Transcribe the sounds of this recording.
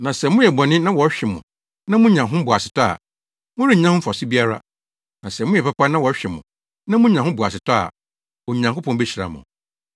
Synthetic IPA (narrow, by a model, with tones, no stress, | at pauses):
nã˨sɛ˨mʊ̃˦jɛ˨bɔ˨nɪ̃˦nã˦wɔ˨˦ɕᶣɛ˨mʊ̰̃˨ | nã˦mʊ̃˦ɲã˨ɦʊ̃˦bʊ˨a˨sɪ˨tʰa˦a̰˨ | mʊ̃˦ɾi˦˨ɲã˦hʊ̃˦fɔ˨sɪ˦bi˦a˦ɾa̰˦ | nã˨sɛ˨mʊ̃˦jɛ˨pa˦pa˦nã˦wɔ˨˦ɕᶣɛ˨mʊ̰̃˨ | nã˦mʊ̃˦ɲã˨ɦʊ̃˦bʊ˨a˨sɪ˨tʰa˦a̰˨ | wɔ˨ɲã˨ŋkʊ˦pʰɔ̃˦nbe˦ɕi˨ɾa̰˨mʊ̰̃˨